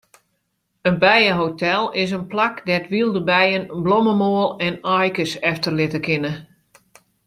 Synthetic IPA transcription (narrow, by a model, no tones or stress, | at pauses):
ənbɛjəɦotɛlˠɪs̬ənplakdɛtʋilˠdəbɛjənblɔməmoəlˠɛnɔjkəsɛftərlɪtəkɪnə